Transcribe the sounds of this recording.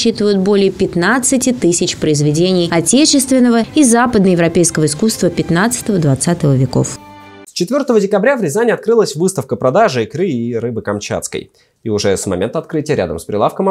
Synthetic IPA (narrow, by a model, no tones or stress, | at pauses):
ɕːit̪əvəjʊt̪̚bo̞lʲɪjəpʲɪt̪nat̪sɨtʲɪt̪ɨsʲɪt͡ɕpɾəɪzvʲɪdʲenʲɪjɐtʲet͡ɕɪst̪vʲɪnːəvəizapəd̪nəjɪvɾɐpʲejskəvəɪskust̪vəpʲɪt̪nat̪sɨ̥t̪əvəd̪vat̪sat̪əvəvʲɪko̰fst͡ɕɪt̪vʲort̪əvədʲɪkɐbɾʲavlʲɪzanʲɪɐt̪̚kɾɨlˠəsʲvɨst̪əfkəpɾɐd̪aʐɨikɾɨiɾɨbɨkɐmt͡ɕa̰t̪skə̰j | iʊʐɛsmɐ̰mʲent̪əɐt̪̚kɾɨtʲɪjəɾʲa̰d̪ə̰mspɾʲɪ̰lˠafkəm